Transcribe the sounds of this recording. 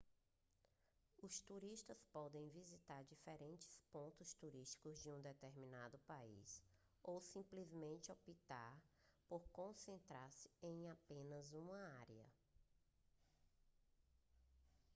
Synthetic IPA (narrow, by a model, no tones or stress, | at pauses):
ʊst̪uɾiʃt̪ɐspɔd̪ẽj̃vizit̪aɾd͡ʒifɛɾẽnt͡ʃɪ̥spõnt̪ʊst̪uɾiʃt͡ʃi̥kʊzd͡ʒɪũd̪et̪eɾminad̪ʊpaḭs | owsĩplizmẽnt͡ʃɪopit̪aɾpoɾkõsẽnt̪ɾaɾsɪ̥ẽj̃apẽnɐzũmɐaɾiɐ̰